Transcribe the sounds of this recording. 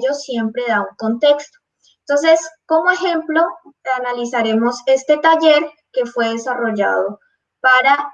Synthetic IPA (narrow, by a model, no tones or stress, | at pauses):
o̞sje̞mpɾe̞ðauŋko̞nt̪e̞kst̪o̥ | ent̪o̞ns̬e̞sko̞moe̞xe̞mplo̞analisaɾe̞mo̞se̞st̪e̞t̪aʝe̞ɾ | ke̞fwe̞ðesaro̞ʝa̰ðo̞ | paɾa